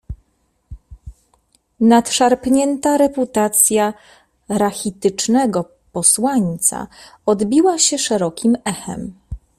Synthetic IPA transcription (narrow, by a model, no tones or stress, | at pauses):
nat̪ʂaɾpɲɛnt̪aɾɛput̪at̪sʲja | ɾaxʲit̪ɘt͡ʂnɛɡɔ | pɔswaɲt̪sa̰ | ɔd̪bʲiwaɕɛʂɛɾɔkʲʰimɛxɛ̰m